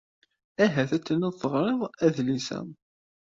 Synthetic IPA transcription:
æɦæθæt͡sːənəðθəʁɾˤɪðˤæðlisæ̰

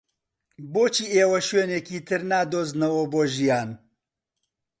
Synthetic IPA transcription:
boːt͡ʃʰiːeːwɐʃweːneːkiːt̪ʰɨɾnaːd̪oːznɐwɐboːʒijaːn

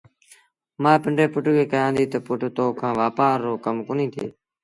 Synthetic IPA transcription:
mãːpɪɳɖeːpʊʈkeːkəjãːnd̪iːt̪əpʊʈt̪oːkʰãːʋaːpaːɾːoːkəmkoːnĩːt̪ʰḛː

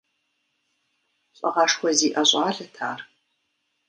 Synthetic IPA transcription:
ɕʼɐ̰ʁɑːʂxʷɔziːʔɐɕʼaːɮɨtʰa̰ːr

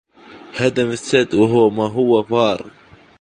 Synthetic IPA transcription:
had̪amɪsːad̪waɦʊwmaɦʊwːafɑːɾˤ

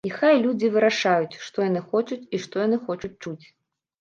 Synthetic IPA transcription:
ixajlʲud͡zʲivɨɾaʂajut͡sʲʂt̪ɔjanɨxɔt͡ʂut͡sʲiʂt̪ɔjanɨxɔt͡ʂut͡s̚ʲt͡ʂut͡sʲ

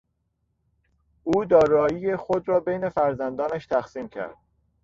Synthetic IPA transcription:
ʔuːd̪ɒːɾɒːjijexod̪ɾɒːbejne̞fæɾzænd̪ɒːnæʃt̪ʰæxsiːmcʰæ̰ɾd̪̥̚

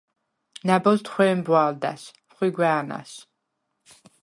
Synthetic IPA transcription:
nabɔst̪χʷwɛːmbwald̪a̰s | χwiɡwɛːna̰s

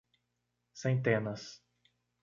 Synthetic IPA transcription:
sẽnt̪ẽnɐs

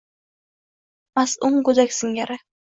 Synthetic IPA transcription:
masʊŋɡʊd̪akʲsɪŋʲaɾɪ

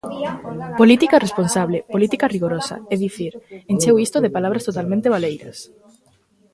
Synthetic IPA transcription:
polit̪ikaresponsaβlepolit̪ikariɣoɾosa̰ɛðiθiɾent͡ʃewist̪oðepalaβɾast̪ot̪almẽnt̪eβ̞alejɾɐs

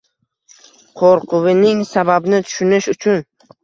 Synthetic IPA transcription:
qʰoɾqʰʊwɪnɪŋsababnɪt̪ʰʊ̥ʃʊnɪʃʊt͡ʃʰʊn

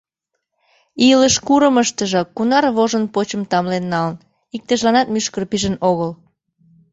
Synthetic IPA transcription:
iləʃkuɾəməʃt̪əʒɤ̆kunɑrβoʒənpot͡ɕəmt̪ɑmlenːɑlən | ik̚t̪əʒlɑnɑt̪myʃkərpiʒənoɣəl

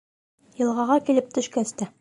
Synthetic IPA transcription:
jɤ̆lˠʁɑʁɑkilɘp̚t̪ɵ̆ʃkæst̪æ

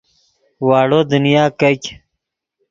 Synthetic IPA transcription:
waːɽod̪unijaːkɐkʲ

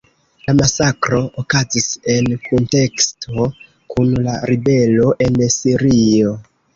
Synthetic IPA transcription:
lamasakɾo̞okazise̞nkʰonte̞kstʰo̞ | kunlaɾibe̞lo̞ʔe̞nsiɾio̞

